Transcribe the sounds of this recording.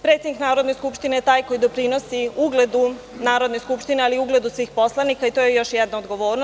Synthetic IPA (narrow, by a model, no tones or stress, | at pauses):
pɾet̪ed̪niknaːɾo̞d̪ne̞skupʃt̪ine̞jet̪aːjko̞jid̪opɾino̞siuɡle̞d̪u | naːɾo̞d̪ne̞skupʃt̪ine̞aliuɡled̪usʋiːxpo̞slˠanikait̪ojejo̞ʃjɛd̪naod̪ɡo̞ʋo̞ːɾno